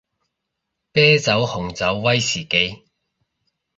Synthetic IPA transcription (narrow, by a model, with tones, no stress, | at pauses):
pɛː˥t͡sɐ˨˥whʊ˨˩ŋt͡sɐ˨˥wːɐ˥jsiː˨˩ke˨˧˥j